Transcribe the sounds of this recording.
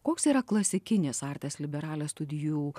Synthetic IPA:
koːksiːɾɐklˠɐsʲɪkʲɪnʲeːsɑɾʲt̪ʲeːslʲɪbʲɛɾɑːlʲeːst̪ʊd̪ʲɪjuː

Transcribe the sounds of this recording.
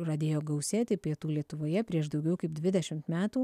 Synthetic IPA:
ɾɐd̪ʲeːjoːɡɐʊsʲeːt̪ʲɪpʲiɛt̪uːlʲiɛt̪ʊʋoːjɛpʲɾʲiɛʃd̪ɒʊɡʲɛʊkɐɪp̚d̪ʲʋʲɪd̪ʲɛʃʲɪmt̪mʲæːt̪uː

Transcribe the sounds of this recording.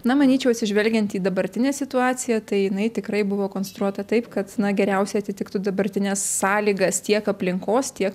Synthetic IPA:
nɐmɐnʲiːt͡ʃʲɛʊɐt̪ʲsʲɪʒʲʋʲɛlʲɡʲɛnt̪iːd̪ɐbɐɾʲt̪ʲɪnʲeːsʲɪt̪ʊɑːt͡s̪sʲɪjɛt̪ɐɪjɪnɐɪt̪ʲɪkɾɐɪbʊʋoːkoːnsʲɛt̪ɾuɔt̪ɐt̪ɐɪpkɐt̪nɐɡʲɛɾʲɛʊsʲɛɪɐt̪ʲɪt̪ʲɪkt̪ʊd̪ɐbɐɾʲt̪ʲɪnʲɛsːɑːlʲiːɡɐst̪ʲiɛkɐpʲlʲɪŋkoːst̪ʲiɛk

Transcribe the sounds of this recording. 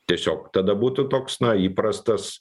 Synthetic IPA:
t̪ʲiɛsʲoːkt̪ɐd̪ɐbuːt̪ʊt̪oːksnɐiːpɾɐst̪ɐs

